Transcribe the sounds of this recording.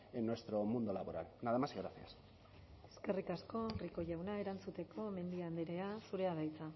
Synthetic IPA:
enːwe̞st̪ɾo̞mund̪olaβo̞ɾa̰lnaðemazɣɾaθias | e̥ske̞rikasko̞riko̞ʝawnae̞ɾant͡sut̪e̞kʰo̞me̞nd̪iand̪iɾe̞asuɾe̞að̞ajt͡sa

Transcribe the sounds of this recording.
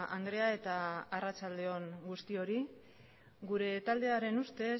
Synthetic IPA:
and̪ɾe̞ae̞t̪aːrat͡ʃald̪e̞o̞ŋɡust̪io̞ɾi | ɡuɾe̞t̪ald̪e̞aɾe̞nust̪e̞

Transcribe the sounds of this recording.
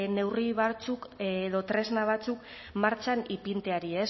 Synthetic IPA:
ne̞wriβat͡sukːðo̞t̪ɾe̞znaβ̞at͡suk | maɾt͡ʃanipint̪e̞aɾie̞s

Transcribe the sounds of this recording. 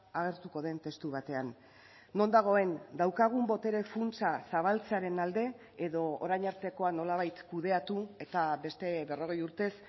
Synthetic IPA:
aɣ̞e̞ɾt̪uko̞ð̞e̞nt̪e̞st̪uβ̞at̪e̞anː | o̞nd̪aɣ̞o̞e̞nd̪awkaɣ̞umbo̞t̪e̞ɾe̞funt͡sasaβ̞alt͡seaɾe̞nald̪e̞ | eðo̞oɾajɲaɾt̪e̞ko̞ano̞laβ̞ajt̪kuð̞e̞at̪ue̞t̪aβe̞st̪e̞βe̞ro̞ɣ̞ejuɾt̪e̞s

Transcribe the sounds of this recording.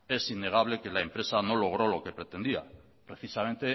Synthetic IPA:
e̞sinːe̞ɣ̞aβle̞ke̞laempɾe̞sano̞lo̞ɣ̞ɾo̞lo̞ke̞pɾet̪e̞nd̪ia̰ | pɾe̞θisament̪e̞

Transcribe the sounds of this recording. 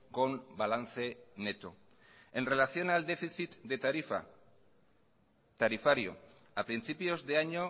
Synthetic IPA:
ɡonbalant͡se̞ne̞t̪o̰ | e̞nre̞laθio̞nald̪efisit̪d̪e | t̪aɾifaɾio̞̰ | apɾint͡sipio̞zdeaɲo

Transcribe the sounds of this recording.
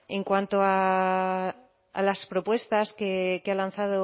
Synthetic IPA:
eŋkwant̪oa | a̰laspɾopwe̞st̪askekealanθað̞o

